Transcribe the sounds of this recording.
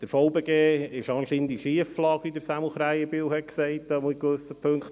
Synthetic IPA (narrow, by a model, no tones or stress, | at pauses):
d̥əɾfɔʊbeɡeːɪʃɑnʃind̪iʃiəflɑːkid̪əɾsæml̩χɾæjəbiːwhɛt̚ksɛɪtɑmuikʋøsəpʰŋkχt